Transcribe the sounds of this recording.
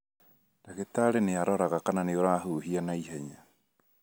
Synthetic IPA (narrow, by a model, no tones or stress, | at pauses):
ɾaɣetaɾeneaɾɔɾaɣakananeoɾaɦuːɦianaiɦaɲa